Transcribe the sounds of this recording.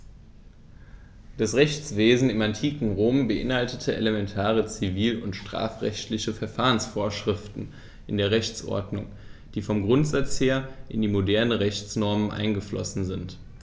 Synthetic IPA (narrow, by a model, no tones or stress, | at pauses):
d̥asʁɛçt͡sv̥eːzn̩ɪmantʰiːkŋ̩ʁoːmbəʔɪ̰nhaltətʰəʔḛləmɛntʰaːʁ̞ət͡siviːlʊntʃtʁ̥a̰ːfʁ̥ɛ̰çtlɪçəfɛɐfaːʁənsfoːɐʃʁ̥ɪftn̩ | ʔɪndeːɐʁɛçt͡sʔɔ̰ɐdnʊ̰ŋ | d̥iːfɔmɡʁʊntz̥at͡sheːɐʔɪndiːmodɛɐnəʁɛçt͡snɔɐmənʔa̰ɪnɡəflɔ̰sn̩zɪnt